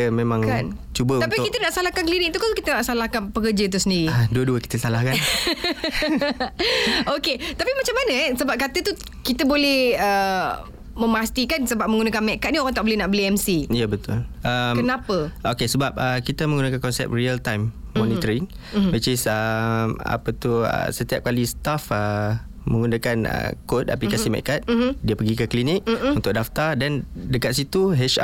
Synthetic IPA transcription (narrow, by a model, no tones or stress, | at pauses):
əmẽmãŋkan | t͡ʃubəut̪anpiʊkit̪ənaʔsalahkankəlinɪk̚t̪ukalokit̪ənaʔsalahkanpəkəd͡ʒat̪̬usəndiɾiaduəduəki̥t̪əsalahkan | oket̪apimat͡ʃamːanəɛsəbap̚kat̪ət̪u | kit̪əbolɛhə | mə̃mast̪ikansəbap̚mə̃ŋɡunakanmɛʔkat̪ʔ̚nioɾaŋt̪aʔbolɛhnaʔbəliɛmsiijəbət̪ʊ̰lʔəmkənapəʔokesəbap̚əkit̪amə̃ŋɡunakankɔnsɛ̰p̚riəlt̪ajmmːɔnit̪əɾiŋ | bət͡ʃisəma̰pət̪uə̰sət̪iap̚kalist̪afə | mə̃ŋɡunakanə̰koda̰plikasimɛ̰ʔkat̪̚diəpəɡikəklinik̚unt̪ʊk̚daft̪adandəkat̪sit̪uɦɛt͡ʃa